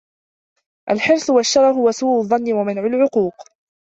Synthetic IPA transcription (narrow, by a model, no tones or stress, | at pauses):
ʔalħɪɾsʊwaʃːɑɾˤɑɦʊwasuːʔʊðˤːɑnːɪwamanʕʊlʕʊquːq